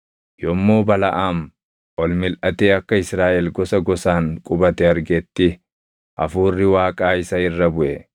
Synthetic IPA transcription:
jɔmːoːbɐlɐʔaːm | ʔɔlmɪlʔɐt̪eːɐkːɐɪsɾaːʔɛlɡɔsɐɡɔsaːŋkʼʊbɐt̪ɛɐɾɡɛt̪ːɪ | ʔɐ̰fuːrːɪwaːkʼaːɪsɐɪrːɐbʊʔɛ

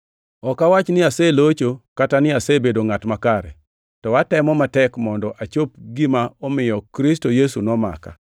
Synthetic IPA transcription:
ɔkawat͡ʃnɪasɛlot͡ʃokatanɪasebedoŋatmakaɾɛ̰ | tɔwatɛmɔmatɛkmɔndɔʔat͡ʃop̚ɡɪmaɔmɪjɔkɾɪstojesunɔma̰ka̰

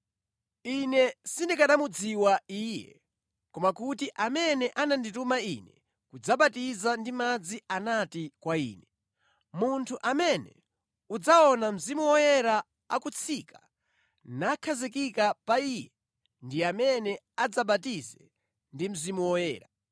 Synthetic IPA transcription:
inɛsindikaɗamud͡ziwaiːjɛ̰ | kɔmakutiʔamɛnɛʔananditumaḭnɛ̰ | kud͡zaɓatizandimad͡zianatikwaḭːnɛ | muntʰuʔamɛnɛ̰ | ud͡zaɔnam̩zimuwɔjɛɾa | akut͡sʰikʰḁ | nakʰazikikapaiːjɛ | ndiamɛnɛ | ad͡zaɓatizɛ | ndim̩zimuwɔjɛ̰ːɾa

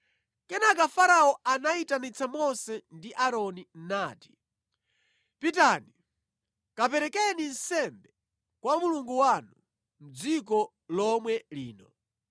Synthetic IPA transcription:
kɛnakafaɾaɔʔanaitanit͡sʰamɔsɛndiʔaɾɔnin̩naːti̥ | pitani | kapɛɾɛkɛnin̩sɛmbɛ | kwamuluŋɡuwanu | m̩d͡zikɔ | lɔmwɛlḭːnɔ

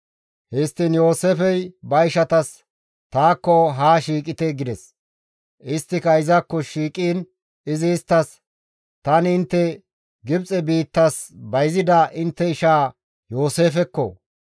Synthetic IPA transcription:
hɛst̪ːinjoːseːfɛjbɐɪʃɐt̪ɐs | t̪aːkːɔɦaːʃiːkʼɪt̪ɛɡɪd̪ɛs | ʔɪst̪ːɪkɐɪzɐkːɔʃiːkʼiːn | ɪzɪːst̪ːɐs | t̪ɐnɪnt̪ːɛ | ɡɪbt͡sʼɛbiːt̪ːɐsbɐjzɪd̪ɐʔɪnt̪ːɛɪʃaː | jo̞ːseːfɛkːɔ̰

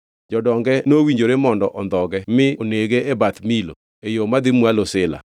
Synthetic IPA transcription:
d͡ʒɔdɔŋɡɛnowiɲd͡ʒoɾemɔndɔʔɔnd̪ɔɡɛmɪoneɡeebat̪milo̰ | ejomad̪ɪmwalosɪla̰

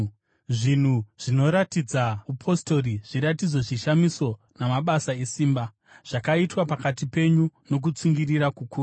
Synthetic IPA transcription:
ʐin̤uʐ̥ino̞ɾatid͡zaupʰo̞sto̞riʐ̥iɾatid͡zo̞ʐiʃamiso̞ | namaɓasae̞siːmba | ʐ̥akaitwapakatipe̞ɲuno̞k̬ut͡siŋɡiriɾakukuːru

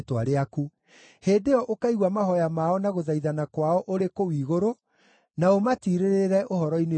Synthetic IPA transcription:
twaɾeaku | heːdeɔʔokaiɣwamaɦɔjamaɔnaɣoðaiðanakwaɔʔoɾekowiːɣoɾo | naomatiɾeɾeɾɛʔoɦɔɾɔine

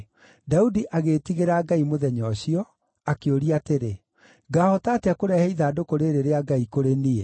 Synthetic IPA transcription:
daudiʔaɣetiɣeɾaːɡaimoðɛɲɔɕiɔ | akeoɾiateɾe | ɡaːhɔtaːtakoɾɛhɛiðaːdokoɾeɾeɾeaɡaikoɾenie

